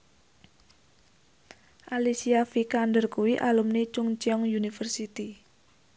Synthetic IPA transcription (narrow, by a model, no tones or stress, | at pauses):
ʔalisiafikandərkuwiʔalumnit͡ʃʊŋt͡ʃiɔŋjunifərsit̪i